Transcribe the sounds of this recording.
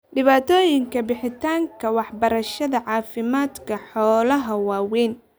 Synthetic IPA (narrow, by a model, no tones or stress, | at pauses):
ɖɪβaːt̪ʰɔːjɪŋkʰɐbɪħɪt̪ʰaːŋkʰɐwɑħbɐɾɐʃɐðɐʕɑːfɪmaːd̪kʰɐħɔːlɐɦɐwaːwɛːn